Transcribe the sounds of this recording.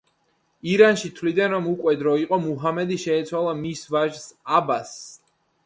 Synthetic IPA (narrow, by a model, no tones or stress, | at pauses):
iɾanʃit̪ʰvlid̪anɾɔmukʼwɛd̪ɾɔiqʼɔmuɦamɛd̪iʃɛːt̪sʰwalˠamisvaʒsabas